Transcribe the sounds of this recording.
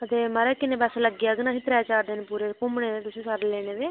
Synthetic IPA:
ət̪eːməɾɛːkɪnẽːbɛsləɡiːəɡnaːɦiːt̪ɾɛːt͡ʃaːɾd̪eːnepuːɾeːkʊmɳeːd̪eːt̪ʊsĩːsaːɾeleːɽ̃eːd̪eː

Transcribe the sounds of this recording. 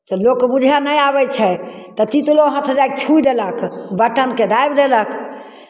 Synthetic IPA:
t̪əlokːbud͡ʒʱanəjabɛt͡ʃʰɛt̪ət̪it̪uloɦət̪ʰd͡ʒajk̚t͡ʃʰud̪eləkbəʈənked̪ajbd̪elək

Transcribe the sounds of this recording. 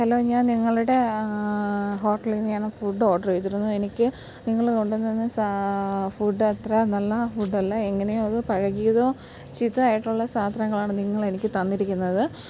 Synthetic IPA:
hɐloːɲaːnniŋːɐɭuɽe̞ | ɦo̞ːʈːɐlinɲaːnɐfuːɖːɨo̞ːɖɐrejt̪ːiɾunːue̞nikʲːɨ | niŋːɐɭko̞ɳɖunːenːesafuːɖːɨɐt̪rɐnɐlːɐfuːɖːɐlːɐe̞ŋːɐne̞joðɨpɐɻɐɣijɐðo̞ː | t͡ɕit̪ːɨaːjiʈːuɭːɐsaːt̪ɾɐŋːɐɭaːɳɨniŋːɐɭe̞nikʲːɨt̪ɐnːiɾikʲːunːɐðɨ

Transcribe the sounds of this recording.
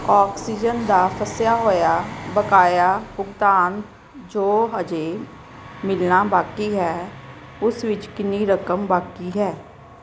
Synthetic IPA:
ɔːksiːd͡ʒənd̪aːpʰəsjaːɦoːjaːbəkaːjaːbʊɡt̪aːn | d͡ʒoːɦəd͡ʒeː | mɪlnaːbaːkiːɦɛː | ʊsʋɪt͡ʃkɪniːɾəkəmbaːkiːɦɛː

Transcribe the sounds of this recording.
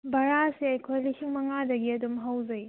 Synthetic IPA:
bʱɐɾasiɐjkʰojlisiŋmɐŋadɐɡiɐdumɦawzɐj

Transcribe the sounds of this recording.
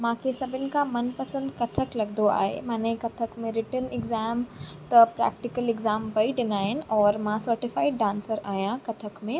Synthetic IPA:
mãːkʰesɐbʱɪnɪ̆kʰãmɐnpɐsə̃nd̪kɐt̪ʰəklɐɡd̪d̪oa̰ːɦḛmãːnẽkɐt̪ʰəkmẽɾɪʈənɪɡzaːmt̪ɐpɾɛ̰ːk̚ʈɪkəlɪɡzaːmbɐiɖɪnaːɦɪnɪ̆ɔːɾmãsɐɾʈɪfaːɪɖɖãːnsəɾaːɦijãkɐt̪ʰəkmẽ

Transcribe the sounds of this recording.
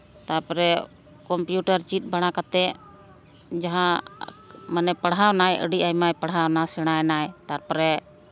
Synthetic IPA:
t̪aɾpɔɾɛ | kɔmpjuʈaɾt͡ʃit̪̚ˀbaɽ̃akat̪ɛ | d͡ʒaɦã | manɛpəɽawnajʔə̰ɖiʔajmajpəɽɦawnasɛɽ̃ajnajt̪aɾpɔɾɛ

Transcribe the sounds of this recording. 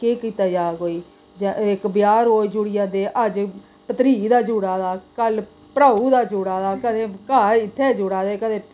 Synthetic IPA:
keːkiːt̪aːd͡ʒaːkoːiː | d͡ʒɪkbjaːɾɦoːid͡ʒʊɽɪjãːd̪eːʔəd͡ʒ | pət̪ɾiːd̪aːd͡ʒuːɽaːd̪aːkəl | pɾaːuːd̪aːd͡ʒʊːɽaːd̪aːkəd̪ẽːkaːɪt̪ʰːeːd͡ʒʊːɽaːd̪eːkəd̪ẽː

